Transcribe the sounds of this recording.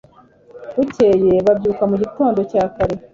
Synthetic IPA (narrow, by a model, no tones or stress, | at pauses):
βuceje̞βabɟuːkamuɟito̞ːndo̞caːkaɾe̞